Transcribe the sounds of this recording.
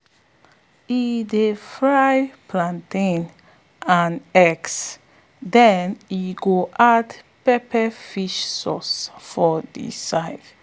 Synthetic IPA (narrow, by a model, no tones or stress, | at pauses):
id̪efɾaɪpʰlant̪in | ʔanɛks | d̪ɛniɡoːʔat̪ | pɛpəfiʃsɔsfɔd̪ḭsaɪv